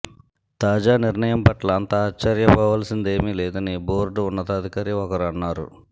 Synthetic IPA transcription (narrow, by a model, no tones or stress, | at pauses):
t̪aːd͡ʒaːniɾɳɐjɐmpɐʈlant̪aːt͡ʃːɐɾjɐbaːʋaːlɐsind̪e̞ːmilɛːd̪ɐnibo̞ːɾɖuunːɐt̪aːd̪ʱikaːɾiɔkɐɾɐnːaːɾṵ